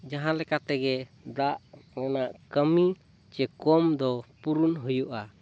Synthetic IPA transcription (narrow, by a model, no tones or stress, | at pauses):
d͡ʒaɦãlɛkat̪ɛɡɛ | d̪aʔmɔnaʔkəmi | t͡ʃɛkɔmd̪ɔpuɾunɦujuʔa